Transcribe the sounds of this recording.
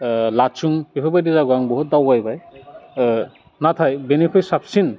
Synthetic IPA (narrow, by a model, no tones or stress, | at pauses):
lat͡ʃuŋpipʰɔbajdizaɡɔaŋbɔɦut̚dawɡajbaj | nat̪ʰajbenekʰɔjsapsin